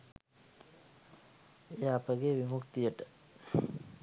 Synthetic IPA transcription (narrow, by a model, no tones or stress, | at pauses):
eapəɡeːʋimukt̪ijəʈə̥